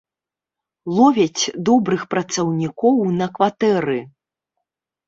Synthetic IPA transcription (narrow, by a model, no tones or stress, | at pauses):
lˠɔvʲɛt͡sʲd̪ɔbɾɨxpɾɐt̪sɐwnʲikɔwnɐkvat̪ɛɾɨ